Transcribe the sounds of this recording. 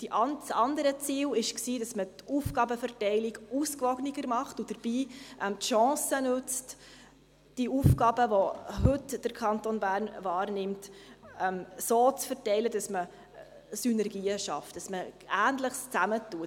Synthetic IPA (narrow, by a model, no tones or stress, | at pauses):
d̥iʔɑnsɑndəɾət͡siːlɪʃksiːdɑsmətuːfɡ̥ɑbəfəɾtɛɪliɡuskvɔɡniɡəɾmɑχtud̥əɾb̥iːʔɛmtʃɑ̃ːsənʉt͡st | d̥iuːfɡ̥ɑːbəʋoɦɵtd̥əɾkʰɑntonbæːɾnvɑːɾnɪmtɛmsoːt͡sfəɾtɛɪləd̥ɑsmə | synɛɾɡiːəʃɑftd̥ɑsməæːntləχst͡sæmətuə